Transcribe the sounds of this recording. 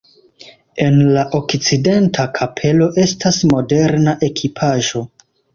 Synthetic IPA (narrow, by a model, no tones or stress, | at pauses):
e̞nlaʔo̞kt͡side̞ntʰakʰapʰe̞lo̞ʔe̞stasmo̞de̞ɾnaʔe̞kʰipʰaʒo̞